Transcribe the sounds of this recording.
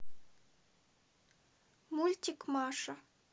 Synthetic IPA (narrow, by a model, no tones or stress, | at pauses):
mulʲtʲikmɑʂa